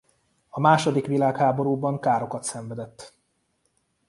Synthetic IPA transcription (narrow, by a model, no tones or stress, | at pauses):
ɒmaːʃo̞d̪ikʋilaːkhaːbo̞ɾuːbɒŋkaːɾo̞kɒt̪sɛɱvɛd̪ɛt̪ː